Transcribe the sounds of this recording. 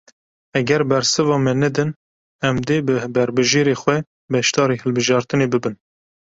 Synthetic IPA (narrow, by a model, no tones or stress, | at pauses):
ɛɡɛɾbɛɾsɨvɑːmɛnɛd̪ɨn | ɛmd̪eːbɨbɛɾbɨʒeːɾexwɛ | bɛʃt̪ɑːɾiːhɨlbɨʒɑːɾt̪ɨneːbɨbɨn